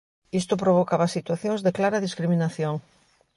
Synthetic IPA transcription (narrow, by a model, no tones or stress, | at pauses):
ist̪ʊpɾoβokaβasit̪waθjõŋzðeklaɾɐðiskɾimĩnaθjoŋ